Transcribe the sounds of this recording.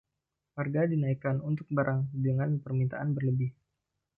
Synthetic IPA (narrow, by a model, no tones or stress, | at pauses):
warɡadinaikanunt̪ʊk̚baɾʔaŋdəŋanpərmint̪a̰ʔanbərləbɪh